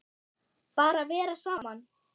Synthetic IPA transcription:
paːɾavɛːɾasaːman

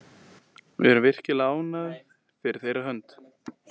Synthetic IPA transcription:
vɪ̰ɛɾʏmvɪr̥cɪlaːwnað | fɪɾɪɾθejɾaɦœnt̪

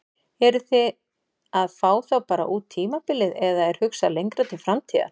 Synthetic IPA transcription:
ɛɾʏθɪ | aðfaːwθawpaːɾa̰ʔuːt̪ʰːiːmapɪlɪðɛðaɛɾ̥hʏksalejŋkɾat̪ʰɪlfɾamt̪ʰiːða̰

